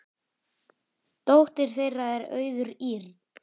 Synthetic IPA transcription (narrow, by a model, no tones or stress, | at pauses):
t̪owht̪ɪɾ̥θejrːaɛɾœ̰ːɥðʏɾiːɾ